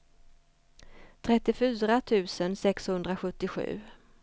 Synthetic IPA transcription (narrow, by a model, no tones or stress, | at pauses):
t̪ʰɾɛt̪ːɪfyːɾat̪ʰʉ̟ːsənsɛkshɵnd̪ɾaɧɵt̪ːɪɧʉ̟̰ː